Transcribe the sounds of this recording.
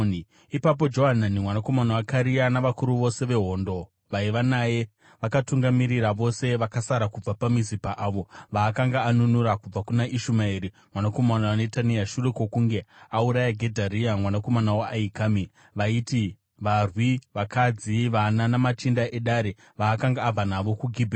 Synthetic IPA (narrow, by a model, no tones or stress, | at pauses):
ipap̬o̞d͡ʒo̞ɦananimwanako̞manawakaɾianaʋakuɾuʋo̞se̞ʋe̞ɦo̞ːndo̞ | ʋaiʋanaje̞ | ʋakatuŋɡamiɾiɾaʋo̞se̞ʋakasaɾakub͡vapamizipaʔaːʋo̞ʋaːkaŋɡaːnunuɾakub͡vakunaʔiʃumaiɾi | mwanako̞manawane̞taniaʃure̞kokuŋɡe̞auɾajaɡʱe̞dʱaɾiamwanako̞manawaʔːikami | ʋaiti | ʋarwiʋakad͡ziʋananamat͡ʃindaʔe̞ɗaɾe | ʋaːkaŋɡaːb͡vanaʋo̞kuɡʱibʱ